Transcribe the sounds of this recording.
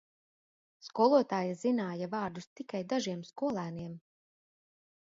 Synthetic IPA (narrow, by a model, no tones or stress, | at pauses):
skuɔlˠuɔt̪aːjazinaːjavaːɾd̪ust̪ikajd̪aʒiɛmskuɔlˠæːniɛm